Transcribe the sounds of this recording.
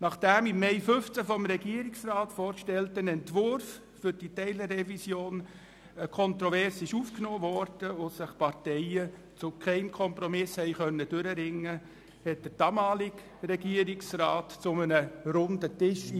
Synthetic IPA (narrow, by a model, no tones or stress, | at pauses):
nɑχd̥æmɪmːɛɪfʏft͡səfɔmɾɛɡiəɾɪksrɑːtfoːɾkʃtɛltənɛntvʋʊɾf | fʏɾd̥itɛɪlərːɛvisjoːn | kʰɔnt̪ɾɔvɛɾsɪʃuːfknoːvɔɾd̥əosɪχpɑɾtɛɪə | t͡sʊkʰɛɪmkʰɔmpɾɔmɪshɛɪχœnːəd̥ʏɾəɾɪŋːə | hɛt̚d̥əɾd̥ɑmɑːlɪk | ɾɛɡiːəɾɪksrɑːtt͡sʊmənəɾʊndətɪʃ